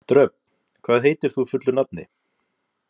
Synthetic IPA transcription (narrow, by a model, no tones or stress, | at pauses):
t̪ɾœp | kʰvaːðɦeːjt̪ɪɾ̥θufʏt̪lʏnap̚nɪ̰